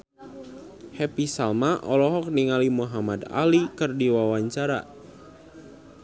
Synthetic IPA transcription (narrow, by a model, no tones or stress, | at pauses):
hɛpisalmaʔɔlɔɦɔk̚niŋalimuɦamada̰likərdiwawaɲt͡ʃaɾa